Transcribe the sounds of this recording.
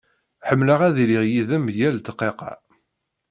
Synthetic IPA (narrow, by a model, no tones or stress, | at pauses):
ħəmːləʁæðliʁjiðəmjælt̪əqːeqɑ̰